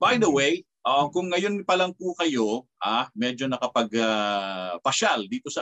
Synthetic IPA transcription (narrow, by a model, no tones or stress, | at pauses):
bajd̪ɐwej | ʔɐkʊŋːɐjo̞nːɪpɐlɐŋpukɐjoʔaːmɛːd͡ʒo̞nɐkɐpɐɡa | pɐʃald̪iːt̪o̞sɐ